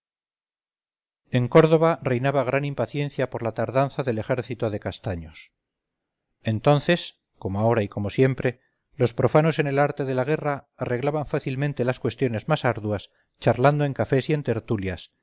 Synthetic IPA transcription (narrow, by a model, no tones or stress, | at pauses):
e̞ŋko̞ɾðo̞βare̞jnaβaɣ̞ɾanimpaθje̞nθjapo̞ɾlat̪aɾðanθaðe̞le̞xe̞ɾθit̪oðe̞kast̪aɲos | e̞nt̪o̞nθe̞s | ko̞moao̞ɾaiko̞mo̞sje̞mpɾe̞ | lo̞spɾo̞fano̞sene̞laɾt̪e̞ðe̞laɣ̞e̞raːre̞ɣlaβaɱfaθilmẽ̞nt̪e̞laskwe̞st̪jo̞ne̞zmasaɾðuas | t͡ʃaɾland̪o̞e̞ŋkafe̞sie̞nt̪e̞ɾt̪uljas